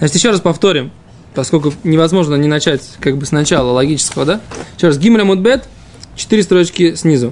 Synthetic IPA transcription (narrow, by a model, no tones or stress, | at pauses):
zat͡ɕɪt̪jɪɕːo̞ɾaspɐft̪o̞ɾʲɪm | pɐsko̞lʲk̬ʊnʲɪvɐzmo̞ʐnənʲɪnɐt͡ɕætʲkaɡbɨsnɐt͡ɕalˠəlˠɐɡʲit͡ɕɪ̥skəvəd̪ajjɪɕːo̞rasɡʲiməlʲɐmud̪̚bɛt̪ | t͡ɕɪ̥t̪ɨɾʲɪst̪ɾo̞t͡ɕkʲɪsʲnʲizʊ